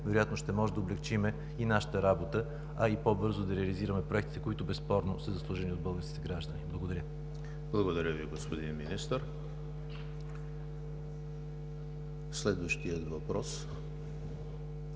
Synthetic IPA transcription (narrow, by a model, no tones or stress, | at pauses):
vɛɾojat̪noʃt̪ɛmɔʒɛd̪əʊblɛkt͡ʃimɛ | inaʃə̥t̪əɾabot̪ə | ɐipobɤɾzod̪ɐɾɛɐliziɾɐmɛpɾoɛkt̪it̪ɛkoit̪ʊbɛspɔɾnosəzɐslˠuʒɛniod̪̚bɤlˠɡəɾski̥t̪ɛɡɾaʒd̪əniblˠɐɡod̪ɐɾʲjə | blˠɐɡod̪ɐɾʲəviɡospod̪inminist̪əɾ | slɛd̪vəʃt̪iət̪vɐpɾɔs